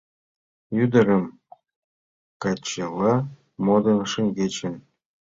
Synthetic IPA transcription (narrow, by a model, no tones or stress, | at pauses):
jyd̪ɘ̆ɾɘ̆m | kɑt͡ɕːelɑ | mod̪ɤ̆nʂĭŋɡʲet͡ɕɘ̆n